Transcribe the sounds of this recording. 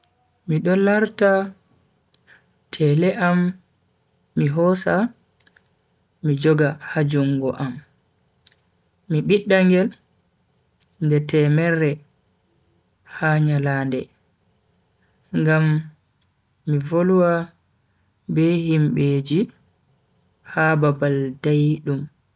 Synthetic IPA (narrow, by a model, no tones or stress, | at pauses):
miɗɔlaɾta | tʰɛlɛʔam | iɦɔsa | mid͡ʒɔɡahad͡ʒuŋɡɔ̰ʔam | iɓiɗːaŋɡɛl | ndɛtɛːmɛrːɛ | haɲalaːndɛ | ŋɡam | ivoluwa | bɛhimbeːd͡ʒi | hababaldajɗum